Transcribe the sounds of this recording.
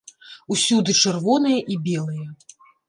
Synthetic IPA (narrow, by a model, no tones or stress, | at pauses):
usʲud̪ɨt͡ʂɛrvɔn̪ɨjɐʔibʲɛlˠɨjɐ